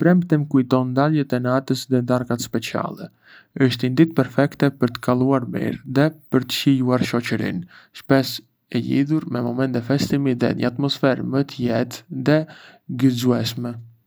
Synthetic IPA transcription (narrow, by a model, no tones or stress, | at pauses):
pɾɛmpt̪ɛmkujt̪ɔnd̪aljɛt̪ɛnat̪əsðɛd̪aɾkat̪spɛt͡sia̰lˠɛ | əʃt̪ind̪it̪̚pɛɾfɛkt̪ɛpəɾt̪ə̥kalˠuaɾmḭɾðɛpəɾt̪ə̥ʃijuaɾʃɔt͡ɕəɾḭn | ʃpɛs | ɛʎḭðuɾmɛmɔmɛnt̪ɛfɛst̪imiðɛ̰ɲə̰at̪mɔsfɛɾmət̪əjɛt̪ðɛɡəzuɛʃmɛ